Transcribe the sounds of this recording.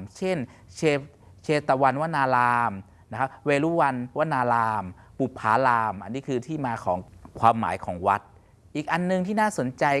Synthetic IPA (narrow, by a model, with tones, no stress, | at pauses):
mt͡ɕʰe˥˩n | t͡ɕʰeː˧ | t͡ɕʰeː˧t̪a˧wa˧nwaː˦˥naː˧laː˧m | na˦˥kʰa˦˥p̚weː˧luː˦˥˩wa˧nwa˦˥naː˧laː˧m | pu˨˩pʰːaː˨˦˥laː˧mʔa˧nːiː˦˥kʰɯː˧t̪ʰiː˥˩maː˧kʰɔ̰ː˩˦ŋkʰwaː˧mːa̰ː˩˦jkʰɔ̰ː˩˦ŋwa˦˥t̪̚ | ʔiː˨˩k̚ʔa˧nːɯ˨˧ŋt̪ʰiː˥˩naː˥˩so˨˩˦nt͡ɕa˧j